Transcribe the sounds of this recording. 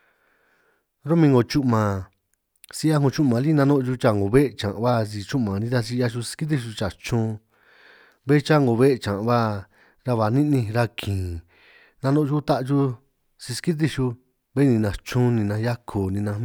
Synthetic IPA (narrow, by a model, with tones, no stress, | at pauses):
ɾo˦mĩ˧ŋɡo˧˨t͡ʃu˦ʔmã˨ | si˧ʔa˦˧ɦũ˧t͡ʃu˦ʔmã˨˧li˦˧nã˧nõ˦ʔt͡ʃu˧t͡ʃa˧ŋɡo˨βe˦˧t͡ʃã̰˨˧βa˦s̬i˧t͡ʃu˦ʔmã˨nĩ˧˦t̪a˧s̬i˧a˧ʃu˧si̥˧ki˦t̪̬i˧ʃu˧t͡ʃa˨t͡ʃũː˦ | βe˦˧t͡ʃa˦ŋɡo˨˧βe˦˧t͡ʃã˨˧βa˦ | ɾa˧βa˨nĩ˦nĩ˧ɾa˧kʰĩː˨ | nã˧nõ˦ʔt͡ʃu˦t̪a˦ʔt͡ʃu˧ | si˧ski˦t̪̬i˧ʃu˧ | βe˦nĩ˧nã˧t͡ʃũ˦nĩ˧nã˧ja˦kʰo˨nĩ˧nã˧